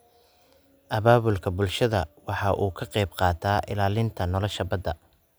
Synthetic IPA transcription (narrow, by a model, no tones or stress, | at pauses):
ʔɐβaːβʊlkʰɐbʊlʃɐðɐwɑħɑʔuːkʰɐqɛjbqɑːt̪ʰaːʔɪlaːlɪnt̪ʰɐnɔlɔʃɐbɐd̪ɐ